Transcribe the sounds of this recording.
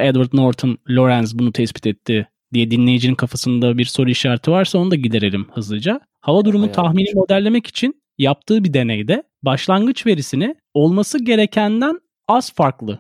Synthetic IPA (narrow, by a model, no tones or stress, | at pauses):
ɛd̪vaɾd̪noɾt̪ʰonlʲo̞ɾænzbunut̪ʰɛspi̥t̪ʰɛt̪ʰːɪ | d̪ijɛd̪inlʲe̞jid͡ʒininkʰafasɯnd̪abiɾso̞ɾuiʃaːɾt̪ʰɯvaɾsaond̪aɟid̪e̞ɾelʲimhɯzlɯd͡ʒa | havad̪uɾumut̪ʰaxminimo̞d̪ælʲːe̞mɛci̥t͡ʃʰin | jap̚t̪ʰɯːbid̪e̞nejd̪ɛ | baʃlˠanɡɯt͡ʃve̞ɾisinɪ | o̞lˠmasɯɟe̞ɾe̞cʰænd̪æn | az̥faɾklˠɯ